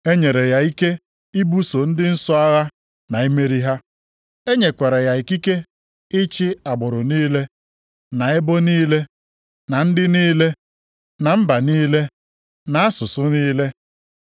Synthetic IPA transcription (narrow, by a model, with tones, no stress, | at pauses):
e˦ɲe˨ɾe˨ja˨i˦ke˦ | i˦bu˦so˨n̩˦dɪ˦n̩˦sʊ˦a˦ɣa˦ | na˨e˦me˦ɾi˦ɦa˦ | e˦ɲe˨kʷe˨ɾe˨ja˨i˨ki˦ke˦ | ɪ˦t͡ʃɪ˦a˨bʊ˨ɾʊ˨niː˦le˦ | na˨ɪ˦bʊ˦niː˦le˦ | na˨n̩˦dɪ˦niː˦le˦ | na˨m̩˦ba˨niː˦le˦ | na˨a˦sʊ˨sʊ˦niː˦le˦